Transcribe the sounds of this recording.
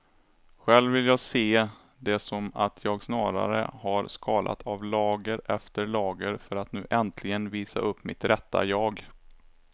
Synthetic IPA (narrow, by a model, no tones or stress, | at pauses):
ɧɛlvːɪljɑːɡseː | d̪ɛsɔmat̪ʰjɑːɡsnɑːɾa̰ɾə̰haɾskʰɑːlʔa̰t̪ʰavlɑːɡəɾʔɛft̪əɾɭɑːɡəɾfœɾat̪nʉ̟ːʔɛnt̪ʰlɪɡənviːsa̰ʔɵpːmɪt̪ɾɛt̪ːa̰jɑːɡ